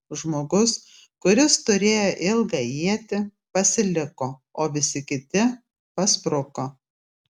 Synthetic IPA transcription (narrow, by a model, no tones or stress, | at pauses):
ʒmoːɡʊs | kʊɾʲɪst̪ʊɾʲeːjoːʔɪlˠɡɑiɛt̪ʲɪ | pɐsʲɪlʲɪkoːoːʋʲɪsʲɪkʲɪt̪ʲɪ | pɐspɾʊkoː